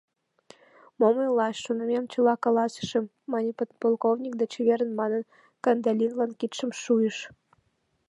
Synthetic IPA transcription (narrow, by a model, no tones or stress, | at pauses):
moməjlɑʃːonə̆mʲemt͡ɕə̆lɑkɑlɑsə̥ʃĕmːɑnʲipolˠkovnʲik̚d̪et͡ɕβeɾənmɑnən | kɑnd̪ɑlʲinlɑnkit̪ʃəmʃujəʃ